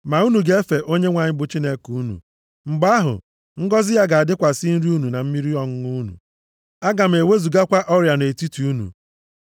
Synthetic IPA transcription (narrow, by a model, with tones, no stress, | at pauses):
ma˨u˦nu˨ɡe˦e˦fe˨ʔo˦ɲe˦ŋʷa˨ɲɪ˦bʊ˨t͡ʃi˦ne˦ku˨˦nṵ˨ | ŋ͡m̩˨ɡ͡ba˦ɦʊ̰˨ | ŋ̩˦ɡɔ˦zɪ˦ja˦ɡa˨a˨dɪ˦kʷa˨sɪ˦n̩˦ɾi˦u˦nu˨na˨m̩˦mi˦ɾi˦ɔ˦ŋ̩˦ŋu˦nṵ˨ | a˦ɡa˨m̩˨e˨we˦zu˨ɡa˦kʷa˦ʔɔ˦ɾja˨ne˨ti˦ti˨u˦nṵ˨